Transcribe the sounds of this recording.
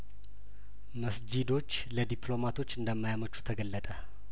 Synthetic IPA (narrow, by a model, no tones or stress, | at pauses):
məsd͡ʒid̪o̞t͡ʃːləd̪ipʰlo̞mat̪ʰo̞t͡ʃːɨnd̪əmːajamət͡ʃːu̥t̪ʰəɡəlːət̪ʼə